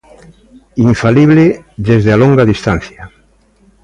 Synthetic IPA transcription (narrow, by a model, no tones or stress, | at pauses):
iɱfaliβleðezðealoŋɡaðist̪an̟θja